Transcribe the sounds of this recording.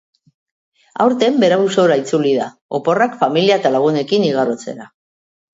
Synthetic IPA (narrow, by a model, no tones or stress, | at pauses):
a̰wɾt̪e̞mbe̞ɾauso̞ɾait͡sulið̞a | opo̞rakfamiliaet̪alaɣ̞une̞kiniɣ̞aɾot͡se̞̰ɾa